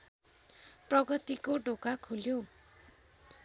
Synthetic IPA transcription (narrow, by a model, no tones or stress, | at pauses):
prʌɡʌt̪ikoɖokakʰuljo